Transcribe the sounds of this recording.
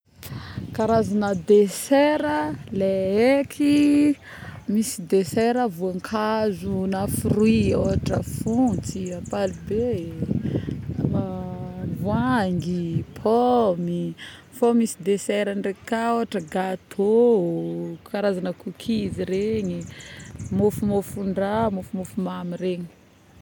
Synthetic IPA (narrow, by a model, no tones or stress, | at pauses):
kaɾazanəd̪esɛɾəleekʰi | misid̪esɛɾəvuaŋkʰazunafirwioɦaʈ͡ʂəfunt͡siapalube | manivwaŋɡipʰɔmi | fomisid̪esɛɾanrekaoaʈ͡ʂəɡat̪ʰo | kaɾazanakukʰiziɾeɲi | mofumofuɳɖ͡ʐamofumofumamireɲi̥